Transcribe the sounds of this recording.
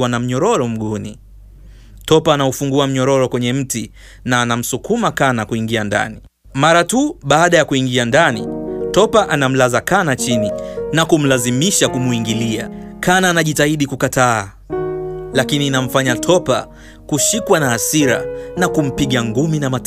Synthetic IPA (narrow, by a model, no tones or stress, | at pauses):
wanam̩ɲɔɾɔɾɔm̩ɠunḭ | tɔpaːnaufuŋɡuam̩ɲɔɾɔɾɔkwɛɲɛm̩ti | naːnam̩sukumakanakuiŋɡianda̰ni | maɾatuɓaːɗajakuiŋɡiandanitɔpaʔanam̩lazakanat͡ʃininakum̩lazimiʃakumuiŋɡilia̰kanaːnaʄitaiɗikukataː | lakininam̩faɲatʰɔpa̰ | kuʃikwanaːsiɾa̰nakum̩piɠaŋɡuminamat